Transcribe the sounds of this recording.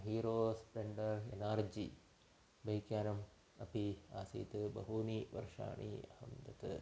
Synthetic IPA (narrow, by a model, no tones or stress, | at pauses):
ɦiːɾoːspɾeɳɖɐɾenaːɾd͡ʒḭ | bɐjkjaːnɐm | ɐpiaːsḭːt̪ɨbɐɦuːniʋɐ̰ɾʂa̰ːɳʔḭɐhɐ̰md̪ɐt̪ɨ